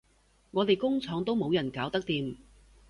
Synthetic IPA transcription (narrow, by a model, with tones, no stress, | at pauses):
ŋɔː˨˧t̪e˨jkʊ˥ŋt͡sʰɔː˨˧ŋt̪o˥wmo˨˧wjɐ˨˩nkaː˨˥wt̪ɐ˥k̚t̪iː˨m